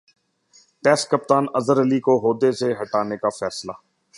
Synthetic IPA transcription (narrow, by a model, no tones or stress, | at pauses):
ʈɛːskəp̚t̪aːnɐzəɾəlikoɦoːd̪eseɦɐʈaːnekafɛːslaː